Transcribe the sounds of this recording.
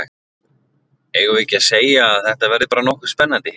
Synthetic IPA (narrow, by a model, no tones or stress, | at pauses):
eːjɣʏvɪcaseːjaːðθɛht̪avɛɾðɪpaːɾanɔhkʏ̥spɛnːant̪ɪ